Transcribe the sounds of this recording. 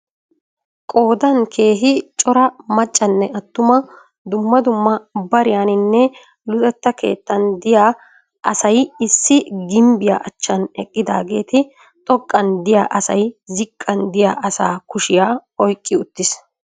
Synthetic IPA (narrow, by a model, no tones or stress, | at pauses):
kʼo̞ːd̪ɐnkʰe̞ːɦɪt͡ʃʼɔɾɐmɐt͡ʃʼːɐnːɛɐt̪ːʊmɐ | d̪ʊmːɐd̪ʊmːɐbɐɾɪjaːnɪnːɛ | lʊt̪ɛt̪ːɐkʰe̞̰ːt̪ːɐnd̪ɪjaː | ʔɐsɐjɪsːɪɡɪmbɪja̰ːʔɐt͡ʃːɐnɛkʼːɪd̪a̰ːɡe̞ːt̪ɪ | t̪ʼɔkʼːɐnd̪ɪja̰ːʔɐsɐjzɪkʼːɐnd̪ɪjaːʔɐsa̰ːkʊʃɪjaːɔjkʼːɪʊt̪ːɪs